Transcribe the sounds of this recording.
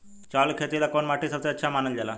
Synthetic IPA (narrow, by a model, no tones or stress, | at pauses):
t͡ɕalkʰet̪ilakoɳmaʈʰisət͡səətːɕʰamanənd͡ʑala